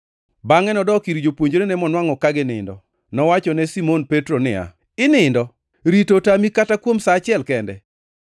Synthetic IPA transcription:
baŋɛnɔdɔkiɾid͡ʒopwoɲd͡ʒoɾenɛmɔnwaŋɔkaɡɪnɪ̰ndɔ̰ | nɔwat͡ʃɔnɛsimonpɛtɾonɪ̰a̰ | ɪnɪndɔ | ɾitotamikatakwomsat͡ʃɪɛlkɛndɛ̰

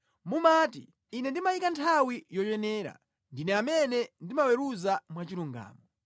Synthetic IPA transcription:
mumaːtḭː | nɛndimaikantʰawijɔt͡ʃɛnɛːɾa̰ | ndinɛamɛnɛndimawɛɾuzamwat͡ʃiɾuŋɡa̰ːmɔ

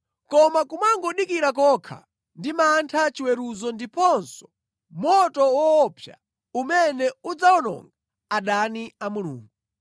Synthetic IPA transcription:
kɔmakumaŋɡɔɗikiɾakɔːkʰa̰ | ndimantʰat͡ʃiwɛɾuzɔndipɔnsɔ̥ | mɔtɔwɔːpʰja | umɛnɛud͡zaɔnɔ̰ŋɡa | aɗaniamulṵːŋɡu

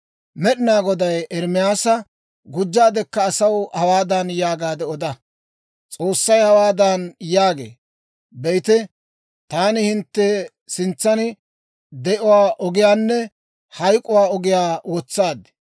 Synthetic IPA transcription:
mɛɗɪnaːɡɔd̪ɐjɛɾmɪjaːsɐ | ɡʊd͡ʒːaːd̪ɛkːɐːsɐwhɐwaːd̪anjaːɡaːd̪ɛɔd̪ɐ | t͡sʼoːsːɐjhɐwaːd̪anjaːɡḛː | bɛjt̪ɛ | t̪aːnɪhɪnt̪ːɛ | sɪnt͡sːɐnɪ | d̪ɛʔʊwaːʔɔɡɪjaːnːɛ | hɐjkʼʊwaːɔɡɪjaːwɔt͡sːaːd̪ɪ̥

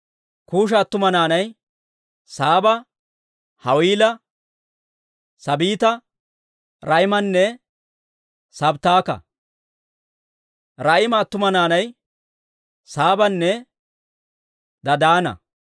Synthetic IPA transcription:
kuːʃ̬ɐːt̪ːʊmɐnaːnɐj | saːbɐ | hɐwiːlɐ | sɐbiːt̪ɐ | ɾɐjmɐnːɛ | sɐbt̪aːkɐ̰ | ɾɐjɪmɐːt̪ːʊmɐnaːnɐj | saːbɐnːɛ | d̪ɐd̪aːnɐ̰

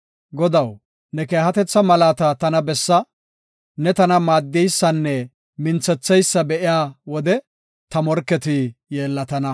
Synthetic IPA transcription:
ɡɔd̪ɐw | nɛke̞ːhɐt̪ɛt͡sːɐmɐlaːt̪ɐt̪ɐnɐbɛsːɐ | nɛt̪ɐnɐmaːd̪ːɛjsːɐnːɛ | mɪnt͡sːɛt͡sːɛjsːɐbɛʔɪjaːwɔd̪ɛ | t̪ɐmɔɾkːɛt̪ɪjeːlːɐt̪ɐnɐ

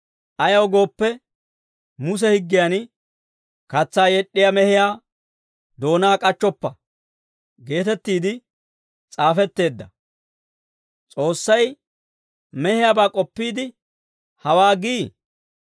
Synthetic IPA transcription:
ʔɐjɐwɡo̞ːpːɛ | mʊs̬ɛhɪɡːɪjan | kɐt͡sːaːjɛɗʼːɪjamɛhɪjaː | d̪o̞ːnaːkʼɐt͡ʃːɔpːɐ | ɡe̞ːt̪ɛt̪ːiːd̪ɪ | t͡sʼaːfɛt̪ːe̞ːd̪ːɐ | t͡sʼo̞ːsːɐj | mɛhɪjabaːkʼɔpːiːd̪ɪ | hɐwaːɡiː

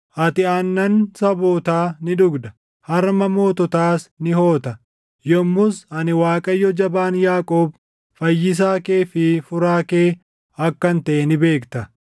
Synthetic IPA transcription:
ʔɐt̪ɪɐnːɐnsɐboːt̪aːnɪᶑ̪ʊɡd̪ɐ̥ | hɐɾmɐmo̞ːt̪ɔt̪aːsnɪho̞ːt̪ɐ | jɔmːʊsɐnɪwaːkʼɐjːɔd͡ʒɐbaːnjaːkʼoːb | fɐjːɪs̬aːke̞ːfɪfʊɾaːke̞ː | ɐkːɐnt̪ɐʔenɪbe̞ːkt̪ɐ

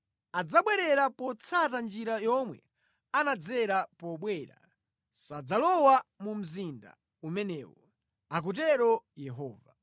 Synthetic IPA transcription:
ad͡zaɓwɛɾɛɾapɔt͡sʰatand͡ʒiɾajɔmwɛ̰ | anad͡zɛɾapɔɓwɛɾa̰ | sad͡zalɔwamum̩zinda̰ | umɛnɛ̰ːwɔ | ak̬ut̬ɛɾɔjɛɦɔːva

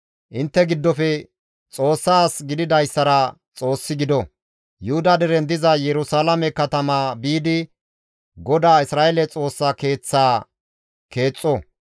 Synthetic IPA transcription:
ʔɪnt̪ːɛɡɪd̪ːɔfɛ | t͡sʼo̞ːsːaːsɡɪd̪ɪd̪ɐjsːɐɾɐ | t͡sʼo̞ːsːɪɡɪd̪ɔ | jʊhʊd̪ɐd̪ɛɾɛnd̪ɪzɐjɛɾʊsaːlɐmɛkɐt̪ɐmaːbiːd̪ɪ | ɡɔd̪aːɪsɾaːelɛt͡sʼo̞ːsːake̞ːt͡sːaː | ke̞ːt͡sʼːɔ

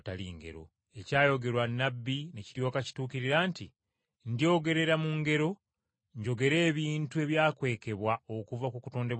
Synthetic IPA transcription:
talḭŋɡe̞̰ɾo̞̰ | e̞caːjo̞ɡe̞ɾwanːabːineciɾjo̞ːkaci̥tuːkiɾiɾaːnti | ndijo̞ːɡe̞ɾe̞ɾamuŋɡe̞ɾo̞ | ɲɟo̞ɡe̞ɾe̞ːβiːntue̞βjaːkwe̞ːke̞βwaokuvakukuto̞ːnde̞β

